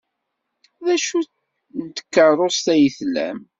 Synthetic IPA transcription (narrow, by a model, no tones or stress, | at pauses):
ðæʃu | nt̪ə̥kːərˤost̪æjəθlæ̰m